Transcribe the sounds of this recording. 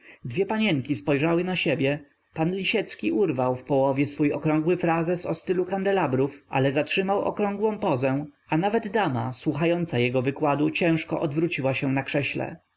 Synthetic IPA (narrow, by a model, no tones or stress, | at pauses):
d̪vʲjɛpaɲɛŋkʲispɔjʐawɘnaɕebʲjɛ | panlʲiɕɛt̪skʲiʔuɾvawfpɔwɔvʲjɛsfujɔkɾɔ̃ŋɡwɘfɾazɛsɔst̪ɘlukand̪ɛlabɾufʔa̰lɛzatʂɘmawʔɔ̰kɾɔŋɡwɔ̃w̃pɔzɛ | anavɛd̪ːama̰swuxajɔnt̪sajɛɡɔvɘkwad̪ut͡ɕɛ̃w̃ʂkɔ̰ʔɔd̪vɾut͡ɕiwaɕɛ̃nakʂɛɕlɛ̰